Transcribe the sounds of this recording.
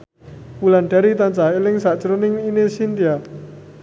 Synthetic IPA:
wulanɖ̥aɾit̪ant͡ʃaɦelɪŋsaʔt͡ʃəɾonɪŋinesind̪ia

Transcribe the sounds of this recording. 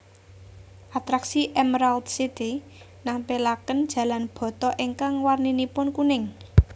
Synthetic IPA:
ʔat̪ɾaksiʔɛmɾalt̪sid̪i | nampelakənd̥ʒ̥ä̤lanb̥ɔ̤t̪ɔʔeŋkaŋwarninipʊnkunɪŋ

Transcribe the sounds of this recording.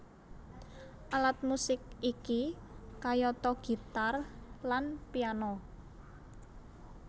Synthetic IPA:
ʔalat̪̚musɪk̚iki | kajɔt̪ɔɡ̥i̤t̪arlanpianɔ

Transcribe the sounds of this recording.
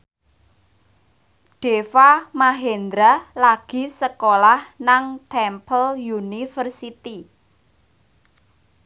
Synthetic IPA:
ɖ̥efamaɦend̪ɾalaɡ̥i̤səkolahnaŋt̪ʰɛmpəljunifərsit̪i

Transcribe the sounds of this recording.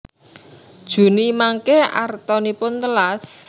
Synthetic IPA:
d̥ʒ̥ṳnimaŋkea̰rt̪ɔnipʊnt̪əlas

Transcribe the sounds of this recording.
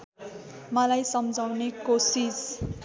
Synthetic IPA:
mʌlajsʌmd͡zʱawnekosis

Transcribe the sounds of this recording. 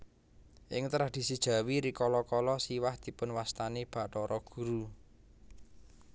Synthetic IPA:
ʔɪ̰ŋt̪ɾahd̪̥i̤sid̥ʒ̥ä̤wiɾikɔlɔkɔlɔsiwahd̪̥i̤pʊnwast̪aneb̥a̤ʔʈɔɾɔɡ̥ṳɾu

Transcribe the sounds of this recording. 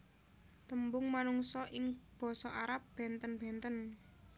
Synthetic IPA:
t̪əmbʊŋmanuŋsɔʔɪŋb̥ɔ̤sɔʔaɾap̚b̥ɛnt̪ənb̥ɛ̤nt̪ən

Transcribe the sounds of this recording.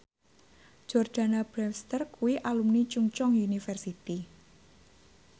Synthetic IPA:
d͡ʒ̥ɔrd̪̥a̤nab̥ɾɛmst̪ərkuwiʔalumnit͡ʃuŋt͡ʃɔŋjunifɛrsit̪i

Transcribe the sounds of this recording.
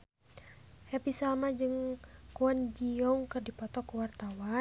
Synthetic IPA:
hɛpisalmad͡ʒɨŋkuɔnd͡ʒiɔuŋkɨrdipɔt̪ɔkuwart̪awa

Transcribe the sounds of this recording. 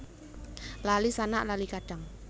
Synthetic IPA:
lalisanaʔlalikaɖ̥a̤ŋ

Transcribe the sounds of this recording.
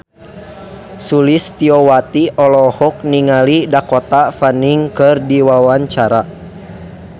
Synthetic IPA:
sulist̪iɔwat̪iʔɔlɔhɔk̚niŋalidakɔt̪afaniŋkɨrdiwawaɲt͡ʃaɾa

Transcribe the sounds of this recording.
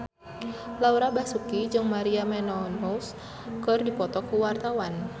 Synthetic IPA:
lauɾabasukid͡ʒɨŋmaɾiamɛnɔnus | kɨrdipɔt̪ɔkuwart̪awan

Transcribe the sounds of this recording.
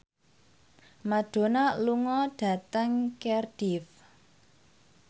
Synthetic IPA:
maɖ̥o̤naluŋɔɖ̥ä̤t̪əŋkɛrd̥if

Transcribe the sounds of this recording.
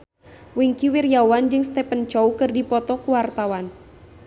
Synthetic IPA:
wiŋkiwirjawand͡ʒɨŋst̪ɛpənt͡ʃɔukɨrdipɔt̪ɔkuwart̪awan

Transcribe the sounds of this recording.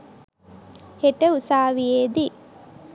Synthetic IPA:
heʈəusaːʋijeːd̪i

